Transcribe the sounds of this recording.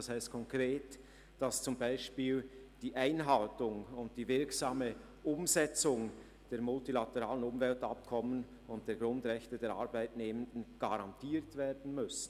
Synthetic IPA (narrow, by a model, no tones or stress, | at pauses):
ɑshaɪstkʰɔŋkʁeːt | d̥ɑst͡sʊmbaɪʃpiːld̥iːʔaɪnɦaltʊŋʊntd̥iːvɪɾksaːmə | ʔʊmzɛt͡sʊŋ | d̥eːɾmʊltilatɛʁaːlənʊmvɛltap̚kʰɔmən | ʊnt̚d̥eːɐɡɾʊndʁɛçtədeːɾa̰ɾbaɪtneːməndən̩ɡ̥aɾɑntʰiːɾtv̥eːdn̩mʏsn̩